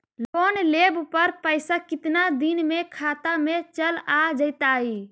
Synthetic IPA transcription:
lonlebpəɾpəɪsakɪt̪nad̪inmekʰat̪amet͡ʃəlad͡ʒəɪt̪ai

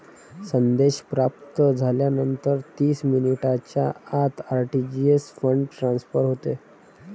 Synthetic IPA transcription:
sənd̪eɕpɾap̚t̪əd͡zʱaljanənt̪əɾt̪iːsminiʈat͡ɕja̰at̪aɾʈid͡ʑiesfəɳɖʈɾãnsfəɾɦot̪e

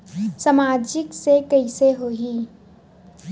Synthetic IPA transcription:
samaːd͡ʒɪksekəiseɦoi

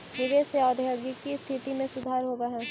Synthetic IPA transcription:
jʊɡeseɔːd̪ʱjoɡɪkːist̪ʰɪt̪imẽsʊd̪ʱaːɾɦoːbeɦɛ̃ː

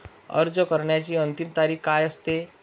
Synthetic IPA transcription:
ə̰ɾd͡zəkəɾɳjat͡ɕiːənt̪imt̪aɾiːkkajəst̪e

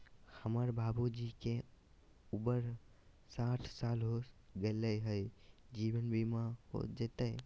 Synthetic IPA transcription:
həməɾbʱabud͡ʒike | ubəɾ | saʈʰsalɦoɡeləɦəjd͡ʒiwənbimaho̰d͡ʒet̪ə

